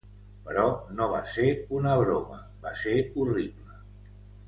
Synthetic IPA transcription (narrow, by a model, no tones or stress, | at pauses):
pəɾɔnoβ̞aseunəβɾomə | baseuriβlə